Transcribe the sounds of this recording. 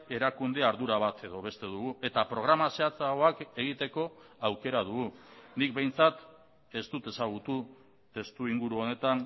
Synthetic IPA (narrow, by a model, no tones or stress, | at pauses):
e̞ɾakund̪eaɾðuɾaβat̪ʰe̞ðo̞β̞e̞st̪e̞ðuɣue̞t̪apɾo̞ɣ̞ɾamaseat͡saoake̞ɣ̞it̪e̞ko̞awke̞ɾað̞uɣunikbe̞jnt͡sat̪ | e̞st̪ut̪e̞saɣ̞ut̪u | t̪e̞st̪uiŋɡuɾuo̞ne̞t̪an